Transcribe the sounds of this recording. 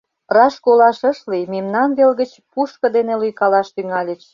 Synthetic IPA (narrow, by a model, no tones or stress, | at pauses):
rɑʃkolɑʃə̆ʃlimimnɑnβelɣət͡ɕpuʃkɤ̆d̪enelujkɑlɑʃt̪yŋɑlʲət͡ɕ